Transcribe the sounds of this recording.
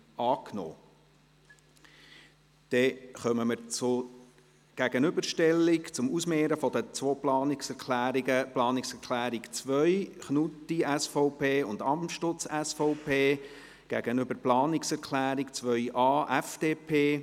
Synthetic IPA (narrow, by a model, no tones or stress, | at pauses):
ɑːkno̰ː | d̪̥ɛχœməməɾt͡sʊ | ɡ̥æɡ̥ənʏbəɾʃtɛlːɪkt͡sʊmusmeːɾəfɔd̪ət͡sʋoːplɑːnɪksɛklːəplɑːnɪksɛɾkʰlæːɾikt͡sʋœʏχnut̪iæsfɔʊpʰeːʊndɑmtʃtʊt͡sɛsfɔʊpʰeː | ɡ̥æ̰ɡ̥ənʏbəɾplɑːnɪksɛɾkʰlæːɾikt͡sʋœʏʔɑːʔæfd̥eːpʰeː